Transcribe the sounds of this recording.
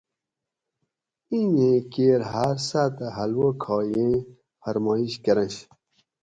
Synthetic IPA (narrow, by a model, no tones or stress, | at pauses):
inẽkeːɾɦaɾsat̪aɦɐlwokʰɑːjẽ | fɐɾmɑːiɕkɐɾɐ̃ɕ